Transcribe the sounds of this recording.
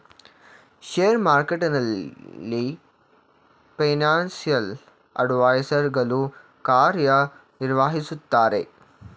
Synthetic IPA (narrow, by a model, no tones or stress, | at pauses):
ʃeːjɾmaːɾkeʈinɐlːi | pɐnaːnsijɐl | ɐ̰ɖʋaːjsɐɾɡɐlu | kaːɾjɐniɾʋaɦisut̪ːaːɾḛ